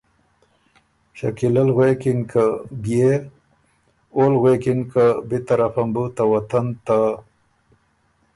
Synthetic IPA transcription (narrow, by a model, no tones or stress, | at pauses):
ɕɐ̰kilɐlɣwekinkaɡie | olɣwekinkabit̪ɐɾafɐmbut̪awɐt̪ɐnt̪a